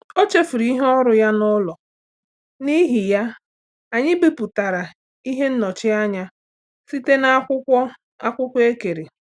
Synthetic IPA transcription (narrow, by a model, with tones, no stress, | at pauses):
o˦t͡ʃe˦fu˨ɾi˦i˦ɦɔ˦ɾʊ˨ja˦nʊ˦lɔ˨ | ni˦ɦi˨ja˦ | a˨ɲɪ˦bi˦pu˨ta˨ɾa˨ | i˦ɦe˦n̩˦nɔ˨t͡ʃɪ˦a˦ɲa˦ | si˦te˦na˦kʷʊ˦ɔ˦ | a˦kʷʊ˦kʷe˦ke˨ɾe˨